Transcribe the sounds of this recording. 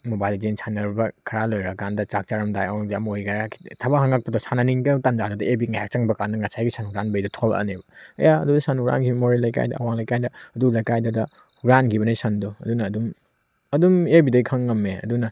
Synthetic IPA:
mobajlid͡ʒensʰanɐɾbɐkʰɐɾalojɾɐkandɐt͡ʃak̚t͡ʃaɾɐmdajawŋdɐmojɡɾakʰi̥tʰɐβaɦaŋak̚pɐdɔsananiŋɡɐtand͡ʒadɔdɐʔebiŋajak̚t͡ʃaŋbɐkandɐŋasajɡisanuɡɾanbɐjdɔtʰɔlɐ̰nebɐɐ̰jaɐ̰dudɐsanuɡɾa̰nkʰibɐmoɾelɐjka̰jdɐ̰ɐ̰waŋlajkajdɐɐdulajkajdɐdɐ | ɡɾankʰibɐnijsɐndɔɐ̰dunɐːdum | ɐdumebidɐjkʰɐŋːɐmːeɐ̰dunɐ

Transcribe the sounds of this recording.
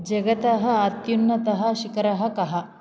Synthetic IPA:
d͡ʒɐɡɐt̪ɐɦɐ̆ːt̪junːɐt̪ɐɦɐ̆ʃikɐɾɐɦɐkɐɦɐ

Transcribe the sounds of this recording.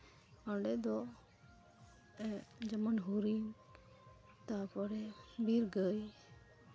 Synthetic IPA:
əɖɛd̪ɔ | d͡ʒəmənɦuɾin | t̪apɔɾɛbiɾɡəj

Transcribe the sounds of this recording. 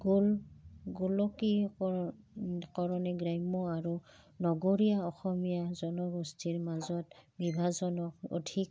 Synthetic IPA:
ɡulɡulɔki | kɔɹɔnɛɡɹajmɔaɹunɔɡoɹijaɔxɔmijazɔnɔɡɔstʰiɹmazɔtbibʱazɔnɔk̚o̰dʱik̚

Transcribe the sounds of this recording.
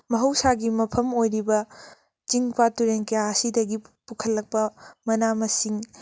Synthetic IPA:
mɐɦɐwsaɡimɐpʰɐmojɾibɐ | t͡ʃiŋpatuɾeŋkɐjaɐsidɐɡipukʰɐlːɐk̚pɐmɐnamɐsiŋ

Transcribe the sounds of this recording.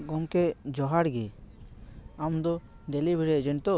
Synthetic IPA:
ɡɔŋkɛd͡ʒɔɦaɽɡɛ | amd̪ɔ | ɖ̪ɛlibʱiɾɛd͡ʒɛnt̪ɔ

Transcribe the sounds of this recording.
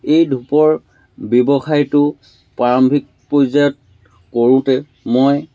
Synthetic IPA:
ejdʱupɔɹ | bebɔxajtʊ | paɹɔmbʱik̚pɹojzajɔt̚ | koɹʊ̃tɛ | moj

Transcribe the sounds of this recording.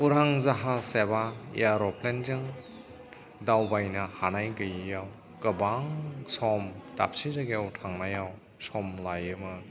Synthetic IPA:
uɾaŋzaɦasebaḛaɾɔpʰlend͡ʒɯŋ | dawbajnɐhanajkɐjɯjaw | kɐbaŋsɔmta̰p̚sizaɡijawtʰaŋnajaw | sɔmlajɯmɯ

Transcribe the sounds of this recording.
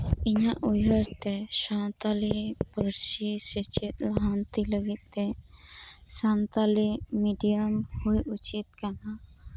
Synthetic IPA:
iɲaʔujəɾt̪ɛsant̪alibəɾsisət͡ʃit̪laɦant̪iləɡit̪̚ːɛ̃ | sant̪alimiɖijəmhujut͡ʃit̪̚kana

